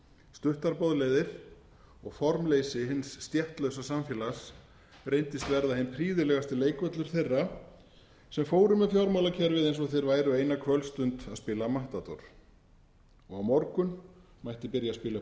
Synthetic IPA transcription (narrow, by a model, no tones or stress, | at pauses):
st̪ʏht̪aɾpɔðlɛːðɪɾ̥ | ɔɣfɔɾmleːjsɪɦɪnsːt̪jɛht̪lœɥwsasamfjɛːlas | rejnt̪ɪst̪vɛɾðahɦɪnpʰɾiːðɪlɛɣast̪ɪleːjkvœt̪lʏɾ̥θejrːa | sɛmfoːwɾʏmːɛfjɔwɾmawlacʰɛːɾvɪðejnsɔθejɾvaːjɾʏejnakʰvœlst̪ʏnt̪aðspɪlamaht̪at̪ɔ̰ɾ̥ | ɔɣawmɔɾkʏn | majht̪ɪpɪɾjaspɪːla